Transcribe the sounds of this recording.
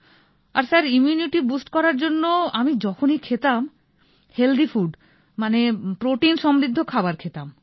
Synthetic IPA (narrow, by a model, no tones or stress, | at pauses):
a̰ɾsaɾimjuniʈibusʈkɔɾaɾd͡ʑonːoamid͡ʑɔkʰonijkʰet̪am | held̪ʱifuɖ | manepɾoʈinʃɔmɾid̪ʱːokʰabaɾkʰet̪am